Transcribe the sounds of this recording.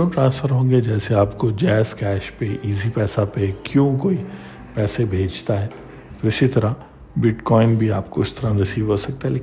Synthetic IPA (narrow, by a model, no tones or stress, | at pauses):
õːʈɾãːnsfəɾɦõːɡeed͡ʒɛːseaːpkod͡ʒɛːskɛːʃpeʔiːzipɛːsapekjõːkoːi | pɛːsebʱeːd͡ʒt̪aɦɛː | t̪oɪsit̪ɐɾa | bɪʈkɔːɪnbʱiaːpkoɪst̪ɐɾãɾɐsiːʋɦoːsɐk̚t̪aɦɛleːk